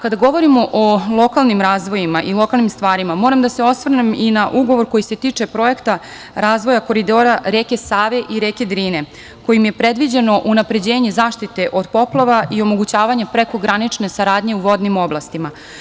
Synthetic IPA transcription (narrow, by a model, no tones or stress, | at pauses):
kad̪aɡo̞ʋo̞ɾimo̞ʔolˠo̞kalˠnimɾaːzʋo̞jimaʔilˠo̞kalˠnimst̪ʋaːɾimamo̞ːɾamd̪ase̞o̞sʋr̩neminaʔuɡo̞ʋo̞ɾko̞jise̞t̪iːt͡ʂe̞pɾo̞e̞kt̪a | ɾaːzʋo̞jako̞ɾid̪o̞ɾaɾeke̞saːʋe̞ʔiɾeːke̞d̪ɾiːne̞ | ko̞jimje̞pɾe̞d̪ʋid͡ʑe̞no̞ʔunapɾe̞d͡ʑe̞ːɲe̞zaːʃt̪it̪e̞ʔo̞d̪po̞plˠaʋaʔio̞mo̞ɡut͡ɕaːʋaɲapɾeko̞ɡɾanit͡ʂne̞saɾaːd̪ɲe̞uʋo̞d̪nimo̞blˠast̪ima